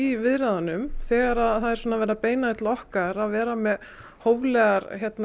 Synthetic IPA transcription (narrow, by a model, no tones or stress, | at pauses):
ivɪðɾaðanʏmθɛːɣaɾaðθaðɛɾ̥sɔːnavɛːɾapeːjnaðɪt̪laɔhkaɾaðvɛːɾamɛð | hoːwvlɛːɣaɾçjɛt̪n